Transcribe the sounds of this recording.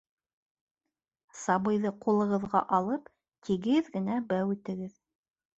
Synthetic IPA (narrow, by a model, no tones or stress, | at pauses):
sɑβɤ̆jðɤqulˠɤ̆ʁɤ̆ðʁɑʔɑlˠɤp | t̪ʰiɡɘðɡɘ̆næbæwʉt̪ɘ̆ɡɘð